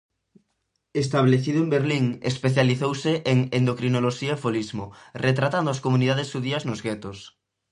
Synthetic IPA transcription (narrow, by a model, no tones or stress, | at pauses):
est̪aβleθiðʊembeɾliŋḛspeθjaliθowseʔeŋend̪okɾinoloʃiaefolizmoret̪ɾat̪and̪ʊaskomuniðað̞esuðiɐznozɣet̪os